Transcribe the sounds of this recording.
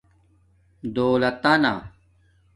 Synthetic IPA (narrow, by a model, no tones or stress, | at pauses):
d̪oːlɐt̪ana̰ː